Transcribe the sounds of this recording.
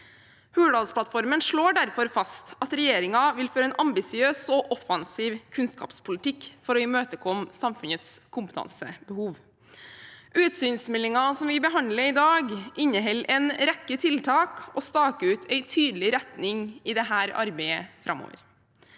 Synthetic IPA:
hʉːɽɑːlspʰlɑt̪fɔɾmənʂɭoːɖæɾfɔɾfɑst̪ɑt̪ɾɛjeːɾɪŋɑʋɪlføːɾəɛnʔɑmbɪsɪøːsɔʔɔfɑnsiːʋkʰʉnskɑ̰ːpspʰʊlɪt̪ʰɪkfɔɾɔiːmøːt̪əkʰɔmsɑmfʉnət̪skʰʊmpət̪ʰɑ̰nsə̰bəhuːʋ | ʔʉːt̪syːnsmɛlːɪŋɑsɔmʋɪbəɦɑnd̪ləɾɪd̪ɑːɡʔɪɲːəɦɛlɛːnɾɛkːət̪ʰɪlt̪ʰɑːkɔst̪ɑːkəʉːt̪ʰɛɪt̪ʰyːd̪lɪɾɛt̪nɪŋɪd̪ɛɦæːɾɑ̰ɾbæɪəfɾɑ̰mo̰ːʋə̰ɾ

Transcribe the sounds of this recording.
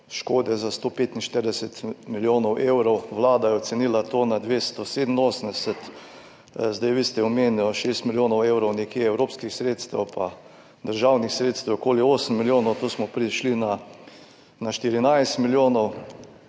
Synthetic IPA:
ʃkoːd̪ɛzast̪opeːt̪inʃt̪əɾd̪ɛsɛt̪miljoːnɔwʔewɾɔwʋlaːd̪ajɛɔt̪sɛniːlat̪oːnad̪ʋest̪ɔsed̪n̩oːsənd̪ɛsɛt̪ | zd̪ajʋist̪ɛɔmenjɔʃeːst̪miljoːnɔwewɾɔwnɛkjeɛwɾoːpskixsɾeːt̪st̪ɛwpʰa | d̪əɾʒawnixsɾeːt̪st̪ɛwokoːlioːsəm̩miljoːnɔwt̪oːsmɔpɾiʃlina | naʃt̪iɾinajst̪miljoːnɔw

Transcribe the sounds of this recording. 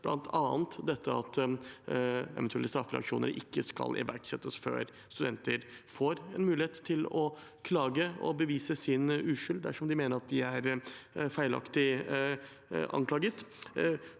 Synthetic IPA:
b̥lɑ̰nt̪ʰɑːnt̪d̪ɛt̪ʰːəɑt̪ | ɛ̰ʋɛnt̪ʉɛlːəst̪ɾɑfːɾɛ̰ɑ̰kʂṵːnə̰ɾɪkːəskɑ̰lʔɪ̰ʋæ̰ɾʈsɛt̪ːəsfø̰ːɾ | st̪ʉd̪ɛnt̪əɾfoːɾɛnmʉːlɪheːt̪ʰːɪlɔ | kʰlɑːɡəɔ̰bəʋiːsəsɪnʉːʂʏld̪æʂɔmd̪ɪmeːnəɾɑt̪̚d̪ɪæɾfæɪlɑ̰kt̪ɪ | ʔɑ̰ŋkʰlɑːɡət̪

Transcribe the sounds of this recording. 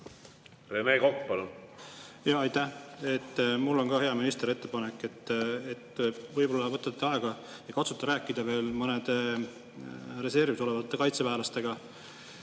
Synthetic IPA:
remeːkokːpɑlun | jɑɑjt̪ːæhe̞t̪ːmulːo̞nɡɑhe̞ɑminist̪eɾe̞t̪ːepɑnekːˑe̞t̪ːet̪ːvɤjbo̞lːɑvɤt̪ːˑɑt̪t̪ːeɑe̞ɡ̥ɑ | jɑkɑt̪su̥t̪ːˑɑɾæːkːˑid̪̥ɑve̞ːlmɤned̪̥e | re̞se̞rviso̞le̞vɑt̪ːe̞kɑjt̪sepæːlɑst̪e̞ɡ̥ɑ

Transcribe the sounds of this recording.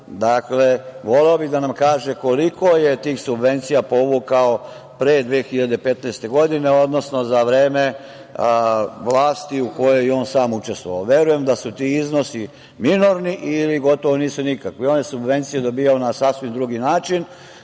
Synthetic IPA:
d̪akle̞ʋo̞leobiɣd̪anamkaːʒeko̞liko̞jet̪iːxsubʋe̞nt̪sijapo̞ʋukao | pɾeːd̪ʋeːxiʎad̪epe̞t̪nɛːst̪e̞ɡo̞d̪ine̞o̞d̪no̞snozaʋɾeːme̞ | ʋlˠaːst̪iuko̞jo̞jo̞ːnsaːmut͡ʃest̪ʋoʋa̰oʋje̞ɾuje̞md̪asut̪iiznosi | minoɾniʔiliɡo̞t̪o̞ʋo̞niːsunikakʋeo̞ːnje̞subʋe̞nt̪sijed̪o̞biːjaonasasʋimd̪ɾuɡinaːt͡ʃin

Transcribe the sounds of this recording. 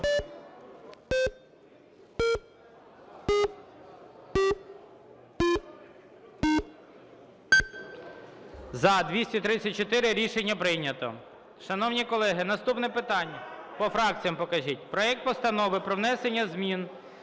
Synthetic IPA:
zɐd̪ʋʲisʲtʲit̪ɾɪt͡sʲːɐt̚ʲt͡ʃɔt̪ɪɾɪɾʲiʃenʲːɐpɾɪnʲɐt̪ɔ̰ | ʃɐnɔwnʲikɔlˠɛɦɪnɐst̪upnɛpɪt̪ɑnʲːpɔfɾɑk̚t͡sʲijɐmpɔkɐʒʲitʲpɾɔjɛk̚t̪̚pɔst̪ɐnɔʋɪpɾɔʋnɛsenʲːɐzmʲin

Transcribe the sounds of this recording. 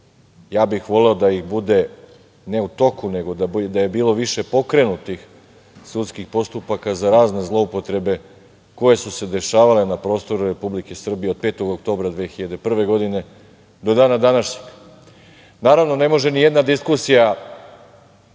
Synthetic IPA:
jaːbixʋo̞le̞od̪aixbud̪e̞ | ne̞ut̪o̞kune̞ɡo̞d̪ad̪aje̞biːlˠo̞ʋiʃe̞po̞kɾe̞nut̪ix | sut̪skixpo̞st̪upakazaɾaːzne̞zlˠo̞upo̞t̪ɾe̞be̞ | ko̞je̞suse̞d̪e̞ʃaːʋale̞napɾo̞ːst̪o̞ɾuɾe̞publike̞sr̩bije̞o̞d̪̚pe̞ːt̪o̞ɡok̚t̪o̞ːbɾad̪ʋexiʎad̪epr̩ʋe̞ɡo̞d̪ine̞ | d̪o̞d̪aːnad̪anaʃɲeɡ | naːɾaʋno̞ne̞mo̞ʒe̞nijed̪nad̪iskusija

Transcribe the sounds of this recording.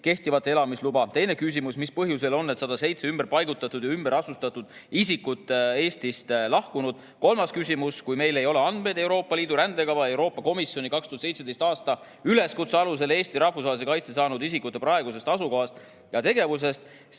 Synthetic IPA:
ke̞ht̪ivɑt̪ːˑee̞lɑmislubɑt̪e̞jne̞kys̬imusmispɤɦjus̬e̞lo̞nːe̞t̪sɑd̪ɑse̞jt̪se̞ymbe̞rpɑjɡut̪ːˑɑt̪ːˑud̪̥jɑymb̥eɾɑsust̪ɑt̪ːˑud̪̥isikːˑut̪ːˑe̞ːst̪ist̪lɑhkunud̪̥ | ko̞lmɑskysʲimuskujme̞jle̞jo̞le̞ɑnd̪̥me̞jd̪e̞wɾo̞ːpːˑɑliːd̪̥uɾænd̪e̞ɡɑvɑje̞wɾo̞ːpːˑɑko̞misjo̞nikɑkst̪uɑt̪se̞jt̪se̥ejst̪ɑːst̪ɑ | yle̞skut̪seɑlus̬e̞le̞ːst̪iɾɑhfus̬vɑːlis̬ekɑjt̪sesɑːnud̪isikut̪ːˑe̞pɾɑe̞ɡuse̞st̪ɑsuko̞ɦɑst̪ | jɑt̪e̞ɡe̞vus̬e̞st̪

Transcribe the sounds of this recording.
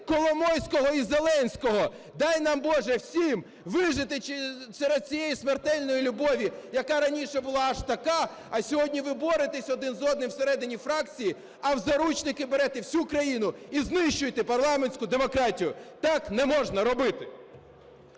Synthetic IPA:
kɔlˠɔmɔjsʲkɔɦɔizelˠɛnʲsʲkɔɦɔ | d̪ɑjnɑmbɔʒɛwsʲim | ʋɪʒɪt̪ɪsɛɾɛd̪̚t͡sʲijejismert̪ɛlʲnɔjilʲʊbɔʋʲijɐkɑɾɐnʲiʃɛbʊlˠɑɐʃt̪ɐkɑ | ɐsʲɔɦɔdʲnʲiʋɪbɔɾɪt̪ɪsʲɔd̪ɪnzɔd̪nɪwseɾɛd̪ɪnʲifɾɑkt͡sʲiji | ɐwzɐɾut͡ʃnɪkɪbeɾɛt̪ɪwsʲukɾɐjinʊiznɪʃt͡ʃʊjt̪ɪpɐrlˠɑmenʲsʲkʊd̪emɔkɾɑtʲijʊt̪ɑknɛmɔʒnɐɾɔbɪt̪ɪ

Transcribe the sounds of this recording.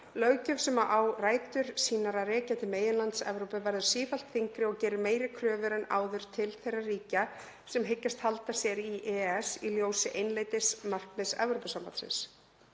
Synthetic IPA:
lœɣcœfsɛmaʔawraːjt̪ʏɾ̥siːnaɾarɛːcat̪ɪmeːjɪnlant̪sɛ̰vɾowpɪvɛɾðʏ̥siːfal̥t̪θiŋkɾɪɔɣcɛːɾɪmeːjɾɪkʰɾœːvʏɾɛna̰ːwðʏɾ̥t̪ʰɪlθejrːariːca | sɛmɦejcːast̪halt̪asjɛɾiʔɛːɛsiljoːwsɪʔejnleːjt̪ɪsmar̥knɪðsɛ̰vɾowpɪsampat̪sɛ̰ns

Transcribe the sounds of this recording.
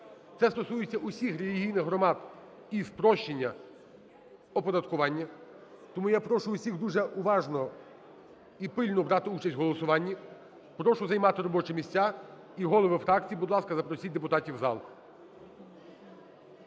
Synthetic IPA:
t̪sɛst̪ɔsujet͡sʲːɐʔʊsʲixɾelʲiɦʲijnɪxɦɾɔmɑd̪ | ispɾɔʃt͡ʃenʲːɐ | ɔpɔd̪ɐt̪kʊʋɑnʲːɐ | t̪ɔmujapɾɔʃʊʊsʲiɣd̪uʒɛʔʊʋɑʒnɔ | ipɪlʲnɔbɾɑt̪ɪut͡ʃɐsʲtʲɦɔlˠɔsʊʋɑnʲːi | pɾɔʃʊzɐjmɑt̪ɪɾɔbɔt͡ʃɛmʲisʲt͡sʲa | iɦɔlˠɔʋɪfɾɑkt͡sʲijibʊd̪lˠɑskɐzɐpɾɔsʲit̚ʲd̪epʊt̪ɑtʲiwzɑ̰lˠ

